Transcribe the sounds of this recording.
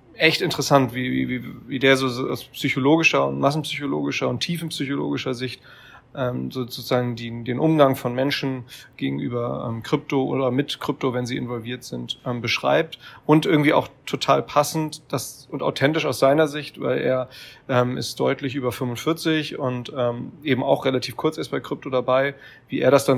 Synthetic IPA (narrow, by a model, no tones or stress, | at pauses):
ʔɛçtɪntəʁɛsantv̥iːv̰ːviːviːdeːɐzoːza̰ʊspsyçoloːɡɪʃɐʊ̰ntmas̬n̩psyçoloːɡɪʃɐʊntʰːiːfn̩psyçolo̰ːɡɪʃɐzɪçt | ʔɛːmzoːot͡suz̥aːɡŋ̩diːdeːnʔʊmɡaŋfɔnmɛnʃn̩ɡ̥eːɡŋ̩ʔy̰ːbɐʔɛ̰ːmkʁ̥ʏp̚toʔo̰ːdɐmɪtkʁ̥ʏp̚tovɛnziːɪ̰nvɔlviːɐtz̥ɪntʔɛːmbəʃʁ̥a̰ɪp̚tʔʊntʔɪɐɡŋ̩tv̥iːa̰ʊxtʰotʰaːlpʰasn̩td̥asʊnta̰ʊtʰɛntɪʃaʊsz̥aɪnɐzɪçtva̰ɪlʔḛːɐʔɛːmɪ̰st̚d̥ɔʏtlɪçʔyːbɐfʏmvʊntfɪɐt͡sɪçʊntʔɛːmʔeːbm̩a̰ʊχʁelatʰiːfkʰʊɐt͡sɛɐs̚b̥aɪkʁ̥ʏp̚todabaɪ | viːʔeːɐɾasd̥an